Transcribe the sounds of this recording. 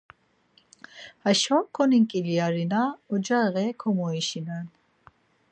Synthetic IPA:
haʃɔkʰːɔniŋkʼiliaɾinaɔd͡ʒaɣɛkʰɔmɔiʃinan

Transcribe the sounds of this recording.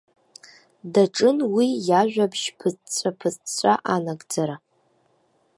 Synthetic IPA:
daʈ͡ʂʼɨnwijaʒᶣʷabʃpʰɨt͡sʼt͡ɕʷʰʼapʰɨt͡sʼt͡ɕʷʼaʔanaɡʼd͡zaɾa

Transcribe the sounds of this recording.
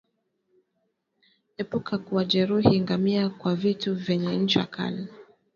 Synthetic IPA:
hɛpukʰakuaʄɛɾuhiŋɡamiakwavituvjɛɲɛɲ̩t͡ʃiwa̰kʰa̰li

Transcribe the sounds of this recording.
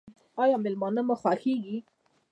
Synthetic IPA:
ɑjɑmɪlmɑnəmaxwɑxeɡi

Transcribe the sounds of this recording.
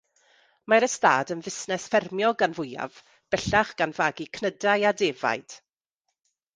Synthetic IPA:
maɾəsta̰ːdənvɪsnɛsfɛrmjɔɡanvʊja̰v | b̥ɛɬaχɡ̥anvaːɡikʰnədajadeːva̰jd̥

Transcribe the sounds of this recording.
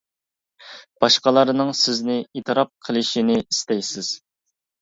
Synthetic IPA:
b̥ɑʃqɑlˠɑɾnɨŋsɪznɪit̪ʰɨɾɑp̚qʰəlˠɨʃinɪist̪ɛjsɪz̥

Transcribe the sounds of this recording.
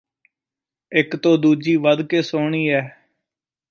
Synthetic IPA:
ɪkt̪õːd̪uːd͡ʒiːʋəd̪keːsoːɳiːɛː

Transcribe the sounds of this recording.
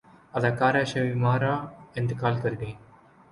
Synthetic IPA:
ɐd̪aːkaːɾaʃɐʋimaːɾaːend̪ɨkaːlkɐɾɡ̪iː

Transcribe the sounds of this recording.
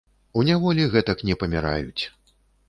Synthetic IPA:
unʲavɔlʲiɣɛt̪ɐknʲɛpɐmʲiɾa̰jut͡sʲ

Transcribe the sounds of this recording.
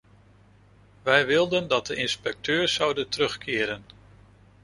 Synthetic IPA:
ʋɛjʋɪlˠdəndɑt̚dəʔɪnspɛk̚tʰøːɹsʌwdəntərɵχkɪːɾən

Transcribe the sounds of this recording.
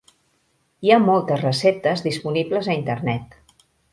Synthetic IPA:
iamɔlˠt̪əzrəsep̚t̪əzðispunibləzəint̪ərnɛt̪

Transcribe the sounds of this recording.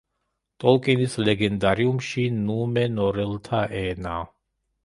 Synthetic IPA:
t̪ʼɔlkʼinislɛɡɛnd̪aɾiumʃinumɛnɔɾɛlt̪ʰaʔɛːna

